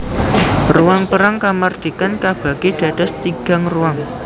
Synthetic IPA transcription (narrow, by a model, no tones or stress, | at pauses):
ruaŋpəɾaŋkamard̪̥ikankab̥a̤ɡ̥ed̥ä̤d̥ast̪iɡ̥a̤ŋruaŋ